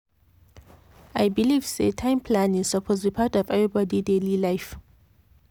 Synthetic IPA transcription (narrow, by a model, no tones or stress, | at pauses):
ʔajbiliv̥sḛtʰãɪ̃mpʰlãnɪz̥sapʰozɹipʰatɔvɛvɹibɔdidelilaɪf